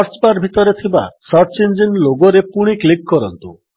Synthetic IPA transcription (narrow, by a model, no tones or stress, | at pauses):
ɾt͡ʃbaɾbʱit̪ɔɾet̪ʰiba̰sɔɾt͡ʃind͡ʒinloɡoɾepuɽ̃iklikːɔɾɔnt̪u